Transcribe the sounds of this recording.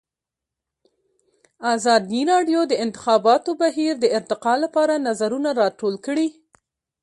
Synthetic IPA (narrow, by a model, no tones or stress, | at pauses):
azɑd̪iɾɑɖjod̪əɪnt̪ɪ̥xɑbɑt̪obaɦiɾd̪əɪɾt̪ɪqɑlapɑɾanazaɾunaɾɑʈolkəɽi